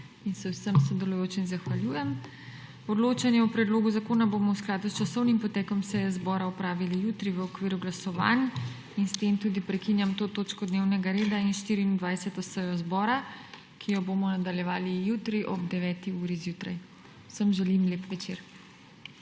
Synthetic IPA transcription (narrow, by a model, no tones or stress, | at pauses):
insɛwsəmsɔd̪ɛlujoːt͡ʃinzaxʋaljuːjɛm | ɔd̪loːt͡ʃanjɛɔpɾɛd̪loːɡuzakoːnabomɔwsklaːd̪ust͡ʃasɔwnimpɔt̪ɛːkɔmsɛjɛzbɔːɾaɔpɾaːʋilijuːt̪ɾiʋəɔkʋiːɾuɡlasɔʋa̰n | inst̪emt̪uːd̪ipɾɛkinjamt̪oːt̪oːt͡ʃkɔd̪neːwnɛɡaɾeːd̪ainʃt̪iɾiːnd̪ʋajsɛt̪ɔsɛjɔzbɔːɾa | kʰijɔbomɔnad̪aljɛʋaːlijut̪ɾiʔɔb̚d̪ɛʋɛːt̪iuːɾizjut̪ɾa̰j | wsəmʒɛlimleːpʋɛt͡ʃeɾ